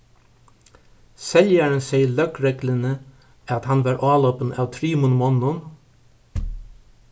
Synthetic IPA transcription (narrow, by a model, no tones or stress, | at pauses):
sɛljæːɳənseɪəɭœkɾɛɡlənə | ɑt̪hɑnʋɑːɾʔɑːloːpən̩ɑːʋt̪ʰɾiːmʊnmɔnʊn